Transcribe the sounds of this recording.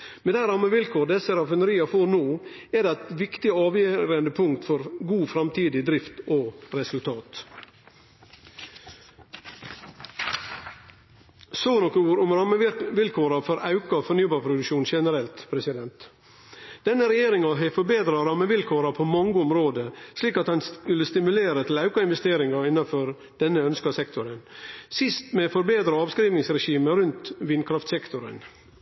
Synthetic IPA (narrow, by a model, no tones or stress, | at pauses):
mɛæɪɾɑmːəʋɪlkʰuːɾd̪ɛsəɾɑfənəɾiːɑfoːɾnoːɛd̪æɪt̪ʋɪkt̪ɪɑːʋjøːɾənd̪əpʰʊŋkt̪fɔɾɡuːfɾɑmt̪ʰiːd̪ɪd̪ɾɪft̪oɾɛsʉlt̪ʰɑːt̪ | soːnɔkəuːɾʊmɾɑməʋɪlkʰuːɾɑfɔɾʔɑʉkɑfɔɾnyːbɑːɾpʰɾʊd̪ʉkʃuːnʃɛnəɾɛlt̪pʰɾɛsɪd̪ɛnt̪ | d̪̥ɛnːəɾɛjeːɾɪŋɑɦɛfɔɾbeːd̪ɾɑɾɑːməʋɪlkʰoːɾɑpʰoːmɑŋɡəʊmɾoːd̪əsliːkɑt̪hɑnskʉləst̪ɪmʉleːɾət̪ʰɪlɑʉkɑɪnʋɛst̪eːɾɪŋɑɪnːɑfɔɾ | d̪̥ɛnːəœnskɑsɛkt̪ʰʊɾənsɪst̪mefɔɾbeːd̪ɾəɑːʋskɾiːʋnɪŋsɾɛʃiːməɾʉnt̪ʋɪnkʰɾɑft̪sɛkt̪ʊɾə̰n